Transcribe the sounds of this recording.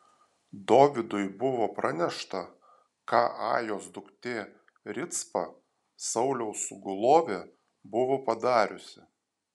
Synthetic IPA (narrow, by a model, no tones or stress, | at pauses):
d̪oːʋʲɪd̪ʊɪbʊʋoːpɾɐnʲɛʃt̪ɐ | kɑːʔɑ̰ːjoːsd̪ʊkt̪ʲeː | ɾʲɪt̪spɐ | sɐʊlʲɛʊsʊɡʊlˠoːʋʲeː | bʊʋoːpɐd̪ɑːɾʲʊsʲɪ